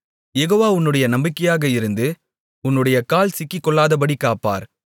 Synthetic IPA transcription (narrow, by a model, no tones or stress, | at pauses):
jɛɣoːʋaːʊnːɯɽɐjɐnɐmbɪkːɐjaːɣɐɪɾɯnd̪ɯ | ʊnːɯɽɐjɐkaːlsɪkːɪkːɔɭːaːðɐp̬ɐɽikːaːpːa̰ːɾ